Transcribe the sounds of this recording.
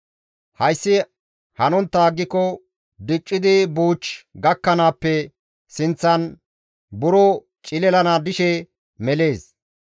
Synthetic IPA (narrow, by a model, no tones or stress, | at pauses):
hɐjsːɪ | hɐnɔnt̪ːaːɡːɪkːɔ | d̪ɪt͡ʃʼːɪd̪ɪbuːt͡ʃɡɐkːɐnaːpːɛ | sɪnt͡sːɐn | bʊɾɔ | t͡ʃʼɪlɛlɐnaːd̪ɪʃɛ | mɛle̞ːs